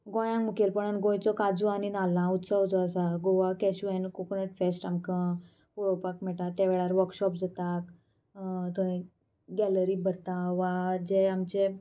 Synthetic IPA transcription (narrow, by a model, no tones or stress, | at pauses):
ɡɔ̃jãŋmukelpəɳanɡõjt͡sɔkad͡zuañinalãut̪səʋt͡sɔəsaɡoʋakɛɕuɛnkokunəʈfesʈamkə̃ | koɭopakmɛʈat̪ːeʋɛɭaɾʋəɾkɕɔpd͡zat̪ak | t̪əĩ | ɡɛləɾiːbʱəɾt̪aʋad͡ʑeamt͡ɕe